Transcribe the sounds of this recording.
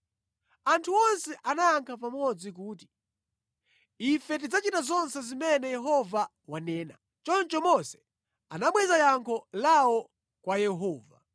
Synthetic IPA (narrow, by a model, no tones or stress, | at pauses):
antʰuɔnsɛʔanaaŋkʰapamɔd͡zik̬uːt̬i̥ | ifɛt̬id͡zat͡ʃitazɔnsɛzimɛnɛjɛɦɔva | wanɛːna̰ | t͡ʃɔnt͡ʃɔmɔsɛ̥ | anaɓwɛzajaŋkʰɔlaɔ | kwajɛɦɔːva̰